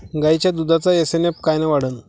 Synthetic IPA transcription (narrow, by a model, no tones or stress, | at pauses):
ɡajt͡ɕjad̪ud̪ʱat͡sajəsenep̚kajnaʋaɽ̤ən